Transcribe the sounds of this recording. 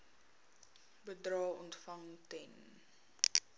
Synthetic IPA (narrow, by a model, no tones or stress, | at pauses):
bədrɑːɔntfɐŋtɛn